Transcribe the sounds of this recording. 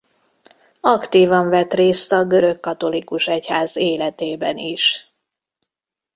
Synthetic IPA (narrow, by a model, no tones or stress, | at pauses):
ɒkt̪iːvɒɱvɛt̪reːst̪ɒɡø̞ɾø̞kːɒt̪o̞likuʃɛchaːzeːlɛt̪eːbɛniʃ